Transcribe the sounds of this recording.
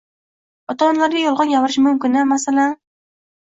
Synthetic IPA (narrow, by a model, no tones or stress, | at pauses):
ɒt̪ʰaɒnlaɾɡʲajɒlˠʁɒnɡʲavɾɪʃmʊmkʲɪnamasalan